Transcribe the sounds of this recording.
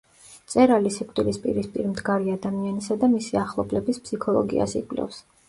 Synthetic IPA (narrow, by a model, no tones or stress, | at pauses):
t̪sʼɛɾalisikʼt̪ʼilispʼḭɾispʼiɾmd̪ɡaɾiad̪amianisad̪amisiaχlˠɔblɛbispʰsikʰɔlˠɔ̰ɡḭa̰sḭkʼlɛ̰fs